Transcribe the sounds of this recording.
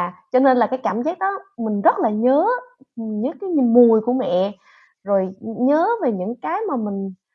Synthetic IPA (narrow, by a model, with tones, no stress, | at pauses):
a˨˩t͡ɕɔ˧ne˧nlaː˨˩kaː˨˦jkaː˧˩mzaː˦˥k̚ɗɔ˨˦mï˨˩ŋ̟zə˦˥t̚laː˨˩ɲəː˨˦ɲɨ̰˧˥kaː˨˦jmu˨˩əjku˧˩əmɛ̰˧˨ | zo˨˩jɲəː˨˦ve˨˩ɲɨ̰˧˥ŋkaː˨˦jmaː˨˩mï˨˩ŋ̟